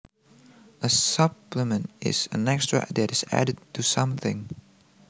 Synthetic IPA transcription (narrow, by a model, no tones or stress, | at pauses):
ʔəsʌpləmɨ̃ntʔɪ̰z̥ɨ̰̃nɛkstɹ̥ɨ̰ðɨɾɨz̥æ̰ɾɨd̚tʰɨsʌ̃mθɪ̃ŋ